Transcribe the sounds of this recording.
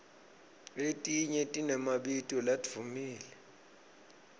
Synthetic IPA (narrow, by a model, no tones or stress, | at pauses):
etʼiɲɛtʼinɛmaɓitʼɔlad̥ʱvʱumiːlɛ